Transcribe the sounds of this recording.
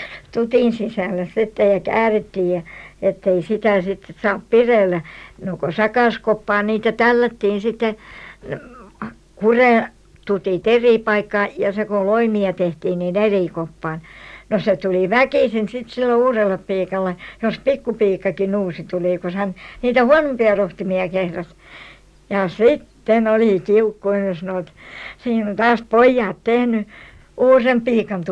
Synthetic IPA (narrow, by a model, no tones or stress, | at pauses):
t̪ut̪iˑnsisæˑlːæssit̪ːejɑkæːret̪ːiːjjɑet̪ːeisit̪æˑsit̪ːesɑːppireˑlːænokosɑkɑˑskopːɑːniːt̪æt̪ælːæt̪ːiːnsit̪ːe | kureˑ | t̪ut̪iˑt̪eriˑpɑikːɑjɑsekoloimiɑt̪eht̪iːnniːneriˑkopːɑːnnoset̪uliʋækiˑsinsit̪silːouːrelːeppiːkɑlːejospikːupiːkːɑkinuːsit̪uliˑkosænniːt̪æhuɑnompiɑroht̪imiɑkehrɑt̪ | jɑsit̪ːenoliˑkiukːoinjosnoːt̪siːnnt̪ɑːspoijːɑːt̪t̪ehny | ʔuːrempiːkɑnt̪u